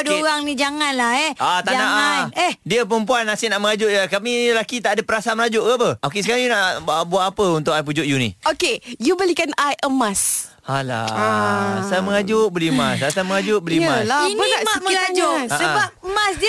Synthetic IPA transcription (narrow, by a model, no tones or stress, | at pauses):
doɣaŋnid͡ʒaŋanlahɛat̪ad͡ʒanaŋʔanɛhdiəpəəmpuanːasɪʔnaʔməŋad͡ʒʊʔjakamiəlakit̪aʔadapəɾasamənad͡ʒʊʔkapəʔok̬esəkaɾaŋjunaʔbuaʔapəunt̪ʊkajp̬ud͡ʒʊʔjunḭokejubəlikanajʔəmas | ala̰asajaməŋad͡ʒʊʔ̚bəlimasasajməŋad͡ʒʊʔ̚bəlimasainmaməlad͡ʒʊssəbap̚əmasdi